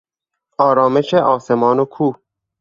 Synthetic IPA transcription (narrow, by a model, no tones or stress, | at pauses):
ɒːɾɒːme̞ʃeʔɒːsemɒːnokʰuː